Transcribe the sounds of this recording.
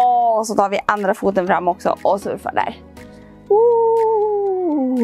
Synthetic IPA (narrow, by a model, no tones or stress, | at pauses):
ɔsɔt̪ʰɑːɾvɪʔand̪ɾafuːt̪ənfɾamːɔksɔ̰ʔɔsɵ̰ɾfa̰ɖæ̰ːɾ | u